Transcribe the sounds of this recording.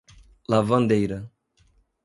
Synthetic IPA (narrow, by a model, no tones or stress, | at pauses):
lavɐ̃nd̪ejɾɐ